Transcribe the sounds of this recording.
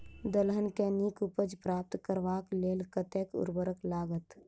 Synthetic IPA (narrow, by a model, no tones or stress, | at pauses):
d̪əlɦənkeniːkʊpəd͡ʒpɾaːp̚t̪kəɾʋaːkleːlkət̪eːkʊ̰ɾbəɾəklaːɡət̪